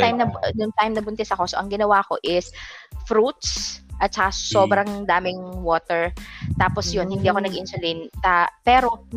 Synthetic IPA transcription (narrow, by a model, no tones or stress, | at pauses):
t̪ajmnɐnʊŋt̪ajmnɐbʊnt̪ɛsɐko̞so̞ʔɐŋɡɪnɐwako̞̰ʔɪsfɾut̪̚sʔɐt̪̚t͡ʃɐkasoːbɾɐŋd̪aːmɪŋwoːt̪ɛɹt̪aːposjonhɪnd̪iːɐko̞nɐɡʔɪnsʊlint̪apɛːɾo̞